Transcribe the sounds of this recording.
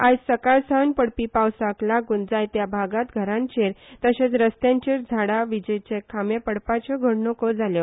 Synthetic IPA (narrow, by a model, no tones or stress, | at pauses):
ajsəkaɾsanpəɽpiːpawsaklaɡund͡zajt̪jabʱaɡat̪ɡʱəɾãnt͡ɕeɾt̪əɕet͡sɾəst̪jãɲt͡ɕeɾd͡zʱaɽaʋid͡ʑəjt͡ɕekʰamjepəɽpat͡ɕɔɡʱəɽnokɔd͡zʱaljɔ